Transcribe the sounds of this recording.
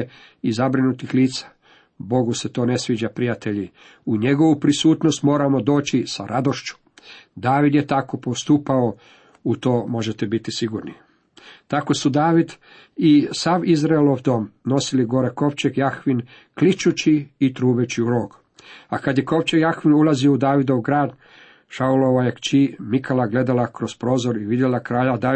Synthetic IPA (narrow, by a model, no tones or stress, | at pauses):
izabɾinut̪ixliːt̪sḁ | bo̞ɡuse̞t̪o̞ːne̞sʋiːd͡ʑapɾijat̪e̞ʎi | uɲe̞ɡo̞ʋupɾisuːt̪nost̪mo̞ːɾamo̞d̪o̞ːt͡ɕisaɾʔad̪oʃt͡ʃu̥ | d̪aːʋid̪jet̪ako̞post̪upao | ut̪o̞ːmo̞ʒet̪ebit̪isiɡuːɾni | t̪ako̞sud̪aːʋid̪ | isaːʋizɾailoʋd̪o̞mno̞siliɡo̞ɾeko̞ʋt͡ʃeɡjaxʋin | klit͡ʃut͡ɕiːt̪ɾuːbet͡ɕiuɾo̞ːɡ | akad̪jeko̞ʋt͡ʃeɡjaxʋinulazioud̪aːʋid̪oʋɡɾaːd̪ | ʃauloʋajekt͡ʃimikʰalaɡle̞d̪alakɾo̞spɾo̞ːzoɾiʋid̪jelakɾaːʎad̪a